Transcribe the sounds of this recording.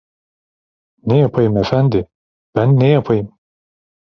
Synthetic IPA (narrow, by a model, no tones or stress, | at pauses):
nejapʰajɯmefænd̪ɪ | b̥ænːejapʰajɯm